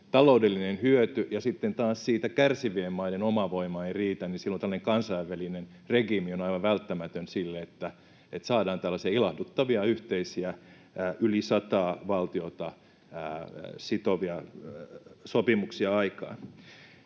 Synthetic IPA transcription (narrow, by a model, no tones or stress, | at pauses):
t̪ɑloudelːinenhyøt̪yjɑsit̪ːent̪ɑːssiːt̪ækærsiʋiemmɑidenomɑʋoimɑeiriːt̪æninsilːot̪ælːæneŋkɑnsɑiʋːælinen | reɡimionɑiʋɑʋʋælt̪ːæmæt̪ønsilːeet̪ːæ | et̪sɑːdɑːnt̪ælːæsiɑilɑhdut̪ːɑʋiɑyht̪eisiæː | ylisɑt̪ɑːʋɑlt̪iot̪ɑː | sit̪oʋiɑ | sopimuksiɑɑikɑ̰ːn